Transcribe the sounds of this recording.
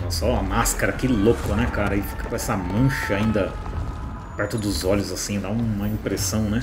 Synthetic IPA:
ɛsɔɐmaskɐɾɐkɪlokʊnɛkaɾɐɪfi̥kɐ̥kõɛsɐmɐ̃ʃɐaĩnd̪ɐ | pɛɾt̪ɪd̪ʊzɔʎʊzasĩd̪aũmɐĩpɾesɐ̃w̃nɛ

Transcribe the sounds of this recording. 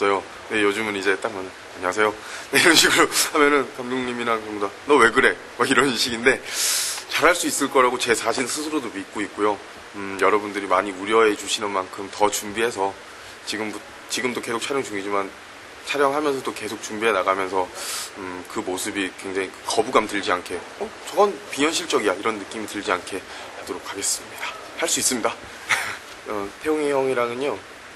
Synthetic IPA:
s͈ʌjo | ne̞jod͡ʑɯmɯnid͡ʑe̞t͈ak̚maɲa | aɲaasʰe̞jo | neiɾʌnɕʰiɡuɾohamjʌnɯnkamd͡ʑoŋɲiminakɯɾʌmdanʌwe̞ɡɯɾe̞ | aiɾʌninɕʰiɡinde̞ | t͡ɕaɾɦaɭs͈uis͈ɯɭk͈ʌɾaɡot͡ɕe̞sʰaɕʰinsʰɯsʰɯɾodomit̚k͈oik̚k͈ojo | jʌɾʌbundɯɾimaɲiuɾjʌɦe̞d͡ʑuɕʰinɯnmankʰɯmtʌt͡ɕumbiɦe̞sʰʌ | t͡ɕiɡɯmb | t͡ɕiɡɯmtoke̞sʰok̚t͡ɕʰaɾjʌŋt͡ɕuŋid͡ʑiman | t͡ɕʰaɾjʌŋɦamjʌnsʰʌt͈oke̞sʰok̚t͡ɕumbiɦe̞naɡamjʌnsʰʌɯkɯmosʰɯbikwe̞ŋd͡ʑaŋikɯkʌbuɡamtɯʎd͡ʑiankʰe̞ | ʌt͡ɕʌɡʌnpiɲʌnɕʰiɭt͡ɕ͈ʌɡijaiɾʌnːɯk͈imitɯʎd͡ʑiankʰe̞ | adoɾokʰaɡe̞s͈ɯmɲid̥ḁ | haɭs͈uis͈ɯmɲida | ʌtʰejoŋeɦʌŋiɾanɯɲo

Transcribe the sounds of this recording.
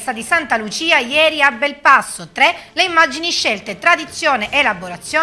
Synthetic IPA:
st̪ad̪isant̪alut͡ʃiːajɛːɾiabːelpasːot̪ɾɛleimːad͡ʒiniʃːelt̪et̪ɾad̪it̪sːjoːneʔelaboɾat̪sjoː

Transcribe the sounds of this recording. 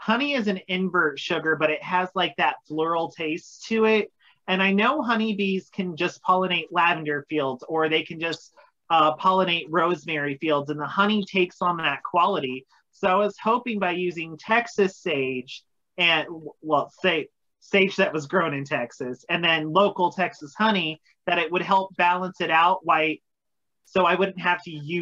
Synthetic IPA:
hʌñiɪzɨ̃nɪ̃ɱvɜ˞tʃʊɡə˞bʌɾɪt̚ɦɨzlaɪk̚ðɨtflʊɹl̩ˠtʰeɪstʰɨɪt̚ | ɨ̃ñaɪnoʊɦʌñibiz̥kʰɨ̃nd͡ʒʌspʰɑlˠəneɪʔˡlævɨ̃ndə˞filˠdzə˞ðeɪkʰɨ̃nd͡ʒʌs | ʌpʰɑlˠəñeɪt̚ɹoʊzmɛɹifilˠdzɨ̃nðəhʌñitʰeɪksn̩ðɨt̚kʰw̥ɑlˠəɾi | soʊaɪwʌz̥hoʊpɪ̃ŋbaɪjʉzɪ̃ŋtʰɛksɨseɪd͡ʒ | ɨ̃nwɛlˠseɪ | steɪd͡ʒðɨʔ̚wʌzɡɹõʊ̃ñɨ̃ntʰɛksɨsɨ̃nðɨ̃nloʊkl̩ˠtʰɛksɨshʌñi | ðɨɾɨt̚wɨd̚ɦɛlˠp̚b̥ælˠə̃nsɨɾaʊt̚waɪt̚ | soʊaɪwʊdⁿn̩t̚ɦæftɨjʉ

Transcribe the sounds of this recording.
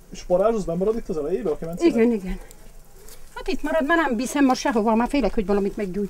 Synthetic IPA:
eʃpɒɾaːʒozbɛmɔɾɒd̪it̪ːɒzɛlɛjeːbɛɒkɛvɛnsiɡɛniɡɛn | hɒt̪it̪mɒɾɒd̪manɛmbiːsɛmːɒʃɛɦovɒlmaːfeːlɛkhoɟʋɒlɒmit̪mɛɡɟuːj

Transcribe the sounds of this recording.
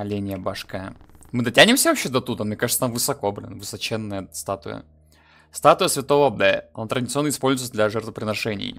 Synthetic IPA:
ɐlʲenʲɪjəbaʂkaəmɨd̪ɐtʲænʲɪmsʲəvɐpɕːed̪ɐt̪ud̪əmmnʲekaʐɨt̪ət̪amvɨsɐkobɾʲɪ̰nvɨsɐt͡ɕenːəjəst̪at̪ʊ̰jə̰ | st̪at̪ʊjəsvʲɪt̪o̞vəbɛɐ̰nat̪ɾədʲɪt̪sɨo̞nːəɪspo̞lʲzʊjt̪̚d̪lʲɐʐɛrt̪vəpɾʲɪnɐʂɛnʲɪ̰j

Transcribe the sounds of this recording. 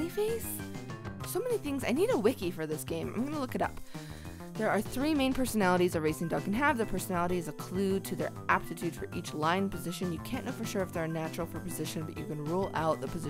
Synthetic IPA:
ifeɪs | soʊmɛniθɪ̃ŋzaɪniɾəwɪkifə˞ðɪsɡ̥ẽɪ̃mã̰ɪ̃mɡʌnəlʊkɨɾʌ̰p | ðə˞ːθɹimẽɪ̃npʰɜ˞sɨnælˠəɾizəɹeɪsɪ̃ŋdʌɡɨ̃n̩əvðɨpʰɜ˞sənælˠəɾizɨkʰl̥ʉd̚tʰɨðə̰˞ʔæp̚tɨtʰʉd̥fə˞ʔit͡ʃlãɪ̃npʰɨzɪʃɨ̃njɨkʰæ̃nːoʊfə˞ʃʊɹɨfðə˞næt͡ʃɹl̩ˠfə˞pʰɨzɪʃɨ̃nbʌt͡ʃə˞kɨ̃nɹulˠa̰ʊt̪̚ðəpʰɨzɪ

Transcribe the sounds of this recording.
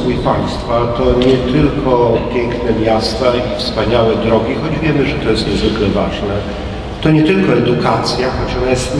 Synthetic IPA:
vujpaj̃st̪fat̪ɔɲɛt̪ɘlkʰɔpʲjɛŋknɛmʲjast̪aifspaɲawɛd̪ɾɔɡʲixɔd͡ʑvʲjɛmɘʐɛt̪ɔjɛst̪ɲɛzvɘklɛvaʐnɛ | t̪ɔɲɛt̪ɘlkɔɛd̪ukat̪sʲjaxɔt͡ɕɔnajɛst̪

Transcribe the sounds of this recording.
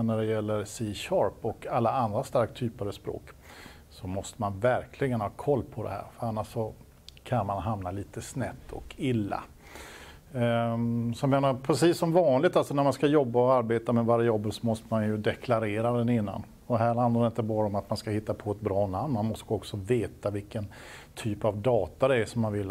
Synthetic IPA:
næɖɛjɛlːəɾsiːɕɑːɾpɔkalːaand̪ɾast̪aɾk̚t̪ʰːyːpəɾɑspɾo̰ːk | sɔmɔst̪əmanvæɾkʰlɪɡənhɑːkʰɔlːpʰɔd̪ɛ̰hæ̰ːɾfœɾanːaʂsɔ | kʰanmanɦamnaliːt̪əsnɛt̪ːʰɔ̰kʰɪlːa̰ | sɔjameːnaɾpʰɾɛsiːsːɔmvɑːnlɪɡt̪alsɔnæɾmanskajɔbːaɔaɾbeːt̪amɛvaɾɪjɔbːəsɔmɔst̪əmanjɵd̪ɛkʰlaɾeːɾad̪ɛnɪnːa̰n | ɔd̪ɛɦæːɾhand̪ad̪ɪnt̪əbɑːɾaɔmat̪manskahɪt̪ːapʰɔɛt̪̚bɾɑːnamnmanmɔst̪əɔksɔveːt̪avɪlkən | t̪ʰyːpavd̪ɑːt̪ad̪ɛæʂɔmːanvɪlː

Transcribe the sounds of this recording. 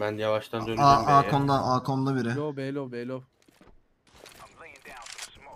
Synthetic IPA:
bænjavaʃt̪ʰand̪ønaʔaːkʰond̪aʔaːkʰond̪abiɾɪ

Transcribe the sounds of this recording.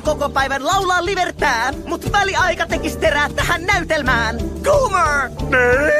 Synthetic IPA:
kokopæjʋænlɑwlɑːlːiʋert̪æːmut̪ʋæliɑjkɑt̪ekist̪eɾæːt̪t̪ːæhænːæyt̪elmæːnɡ̥uːmɑːni

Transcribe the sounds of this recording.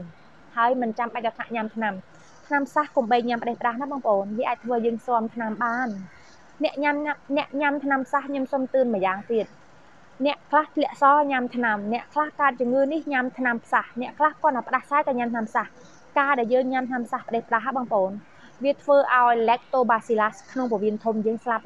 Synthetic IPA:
haəjmɨnt͡ɕamɓac̚ɓɑt̪ʰnaʔɲamt̪ʰnam | t̪ʰnampʰsahkumɓəːj̚ɲampə̆ɗeːhpəɗaːhnaɓɑːŋpʔoːnʋiəʔaːc̚t̪ʰʋəːjəːŋsoəmt̪ʰnamɓaːn | nɛ̆əʔɲamnɛ̆əʔɲamt̪ʰnampʰsahkɲomsomt̪ɨənmɨəjaːŋt̪iət̪̚ | nɛ̆əʔkʰlaht̪ʰlɛ̆əʔsɑːɲamt̪ʰnamnɛ̆əʔkʰlahkaət̪̚t͡ɕʊəŋɨːnihɲamt̪ʰnampʰsahnɛ̆əʔkʰlahkɔ̆ənapə̆ɗahsaɛk̪aːɲamt̪ʰnampʰsah | kaːɗaɛljəːŋɲamt̪ʰnampʰsahpə̆ɗehpəɗaɦaɓɑːŋpʔoːn | ʋiət̪ʰʋəːʔaɔjlɛːk̚t̪oːɓaːsiːlaskʰnoŋpɔʋiənt̪ʰumjəːŋslap̚

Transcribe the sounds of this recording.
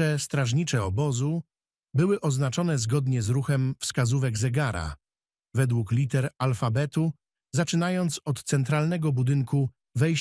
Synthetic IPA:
ɛst̪ɾaʐɲit͡ʂɛɔbɔzu | bɘwɘʔɔznat͡ʂɔn̪ɛzɡɔd̪ɲɛzɾuxɛmfskazuvɛɡzɛɡaɾa̰ | vɛd̪wuklʲit̪ɛɾalfabɛt̪u | zat͡ʂɘnajɔnt̪sɔt̪t̪sɛnt̪ɾalnɛɡɔbud̪ɘŋku | vɛjɕ

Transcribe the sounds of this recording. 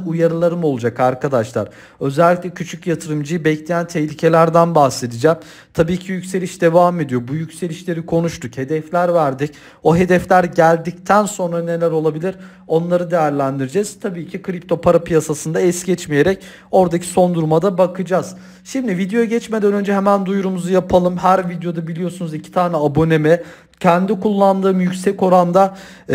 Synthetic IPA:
ujaɾɯlˠaɾɯmo̞lˠud͡ʒakaɾkad̪aʃlˠa̰ɾ | ø̞zɛlʲːicʲlʲɛcʰyt͡ʃʰycjat̪ʰɯɾɯmd͡ʒɯjɯbɛclʲe̞jænt̪ʰɛhlʲicʰe̞lʲæɾd̪ænbahse̞d̪id͡ʒam | t̪ʰabiːcʰijycse̞lʲiʃd̪e̞vaːme̞d̪ijo̞bujycse̞lʲiʃlʲe̞ɾikʰo̞nuʃt̪ʰukhe̞d̪ɛflʲæɾvæɾd̪ic | o̞ɦe̞d̪ɛflʲæɾɟælʲd̪ict̪ʰænso̞nɾane̞lʲæɾo̞lˠabilʲiɾ | o̞nlˠaɾɯd̪e̞jæɾlʲænd̪iɾid͡ʒɛz̥t̪ʰabiːcʰikʰɾip̚t̪ʰo̞pʰaɾapʰijasasɯnd̪aɛsɟɛt͡ʃmije̞ɾɛc | o̞ɾd̪acʰi̥so̞nd̪uɾmad̪abakʰɯd͡ʒaːz̥ | ʃimd̪ivid̪ejoɟɛt͡ʃme̞d̪ænø̞nd͡ʒɛɦemænd̪ujɾumuzujapʰalˠɯmɦæɾvid̪ejo̞d̪abilʲijosunuzicʰi̥t̪ʰaːnɛabo̞nemɛ | cʰɛnd̪ikʰulˠːand̪ɯːmjycsɛco̞ɾand̪a

